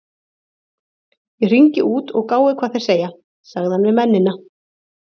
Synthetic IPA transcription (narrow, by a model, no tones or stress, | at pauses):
jɛr̥iɲcɪʔuːt̪ɔɣkaːwɪkʰvaːðθejɾseːja | saɣðɪhanvɪɾmɛnːɪnːa